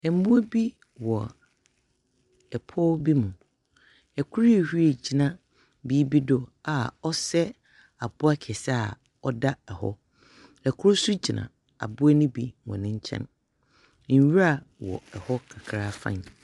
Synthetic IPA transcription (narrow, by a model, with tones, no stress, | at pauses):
ɛ˨˦mũ˦e˦bi˦ | wɔ˨ | ɛ˨pʰɔ˦bi˦mʊ̃˨ | ɛ˨kʰu˦ɾe˨hi˦e˨d͡ʑi˨nã˦ | biː˦bi˦dɔ˦a˨ɔ˦sɛ˦ | a˨bʊ˦a˦kʰɛ˨sa˦˨ | ɔ˦da˦ɛ˨hɔ̰˦ | ɛ˨kʰʊ˦ɾsu˦d͡ʑi˨nã̰˨ | a̰˨bʊ˦ɛ˦nʊ̃˦bi˦˨wɔ̰̃˨nɪ̃˦ɲ̩˦t͡ɕʰɛ̰̃˦n˨ | ɲ̩˨ɥa˦˨wɔ̰˨ɛ˨hɔ˦kʰa˨kʰɾa˦fã̰˦˨n˨